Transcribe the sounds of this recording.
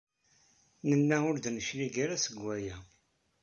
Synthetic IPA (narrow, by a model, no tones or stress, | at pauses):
nənːæʊɾd̪nəʃliɡaɾæsəɡʷːæjæ